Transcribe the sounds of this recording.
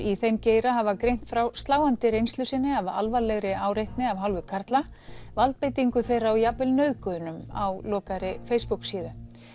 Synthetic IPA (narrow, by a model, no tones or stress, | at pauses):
iθejmceːjɾaɦavakɾejm̥t̪fɾawst̪laːwant̪ɪɾejnst̪lʏsɪnːɪava̰lvalɛɣɾɪaːwɾejht̪nɪavɦalvʏkʰaɾt̪la | valt̪̚pejt̪iŋkʏθejɾawjapvɪlnœɥðkʏðʏnʏma̰wlɔːkaɾɪfejspuksiːðʏ